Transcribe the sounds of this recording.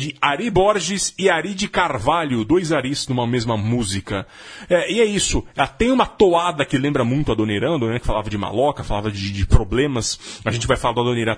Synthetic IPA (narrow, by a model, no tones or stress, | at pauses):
d͡ʒɪaɾibɔɾʒɪsɪaɾid͡ʒɪkaɾvaʎʊd̪ojzaɾiznũmɐmezmɐmuzikɐ | ɛɪɛisʊɛt̪ẽj̃ũmɐt̪oad̪ɐkɪlẽmbɾɐmũj̃t̪ʊad̪oneɾɐ̃w̃ɐd̪oneɾɐ̃kɪfalavɐd͡ʒɪma̰lɔkɐfalavɐd͡ʒɪd͡ʒɪpɾoblẽmɐsaʒẽnt͡ʃɪvajfalaɾd̪ʊad̪oneɾɐ̃